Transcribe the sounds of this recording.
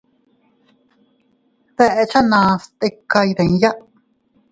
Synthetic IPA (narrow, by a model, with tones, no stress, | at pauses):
ðɛ˧ʔe˧t͡ʃa˦nã˨˧st̪e˧ka˧jðẽ˨ŋ˦ja˦ʔ